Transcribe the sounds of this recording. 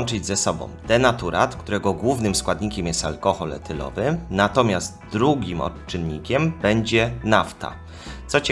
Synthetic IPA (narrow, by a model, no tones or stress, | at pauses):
nt͡ʂɘd͡ʑzɛsɔbɔ̰̃w̃d̪ɛnat̪uɾa̰t̪kt̪uɾɛɡɔɡwuvnɘmskwad̪ɲikʲɛmjɛst̪alkɔxɔlɛ̰t̪ʰɘlɔ̰vɘnat̪ɔmʲjast̪d̪ɾuɡʲimɔ̰t͡ʂɘnːḭkʲɛmbɛɲd͡ʑɛnaft̪a̰ | sɔt͡ɕ